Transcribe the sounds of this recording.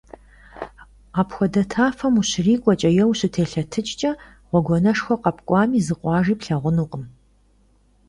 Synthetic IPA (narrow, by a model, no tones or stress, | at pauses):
aːpxʷɔdɐtʰaːfɐmuɕriːkʷʼɔt͡ʃʼɐjɛwɕɪtʰeːɬɐtʰɨt͡ʃʼt͡ʃʼɐ | ʁʷɔɡʷɔnɐʂxʷɔqɐpkʷʼɑːmiːzɨqʷʼɑːʒiːpɬɐʁʷʊnuːqʼəm